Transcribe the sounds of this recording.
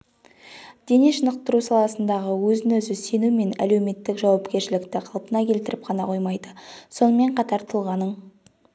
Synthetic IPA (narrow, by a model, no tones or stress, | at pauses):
d̪̥e̞neʃənəq̚t̪əɾusɑlˠɑsənd̪ɑʁəwɵzɪnɵzɪse̞nume̞næ̰le̞wme̞t̪ːɪkʒɑwɑpkʲe̞ɾʃɪlɪkt̪ɪqʰɑlˠpənɑkʲʰe̞lt̪ɪɾɪp̚qʰɑnɑ̰qʰo̞jmɑjd̪əso̞nəme̞ɴqʰɑt̪ɑɾt̪ʰəlˠʁɑnəɴ